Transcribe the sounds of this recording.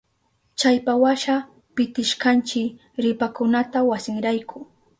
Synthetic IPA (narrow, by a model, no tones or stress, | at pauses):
t͡ʃajpawaʃa | pɪt̪ɪʃkant͡ʃɪ | ɾɪpakʊnat̪awasɪŋɾajkʰʊ